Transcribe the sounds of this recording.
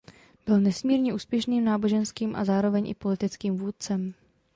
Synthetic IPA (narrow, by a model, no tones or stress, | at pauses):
b̥ɪlnɛsmiːɾɲɛʔuːspjɛʃniːmnaːbo̞ʒɛnskiːmʔa̰zaːɾo̞vɛɲʔɪ̰po̞lɪt̪ɪt͡skiːmvuːt̪̚t͡sɛm